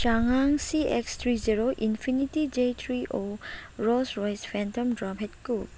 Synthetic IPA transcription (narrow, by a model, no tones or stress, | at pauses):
t͡ʃaŋaŋsiɛkst̪ʰɾiziɾoʔinfʰinitid͡ʒetʰɾiʔoɾɔsɾɔjsfɛntɔmdɾapɦɛt̚kup̚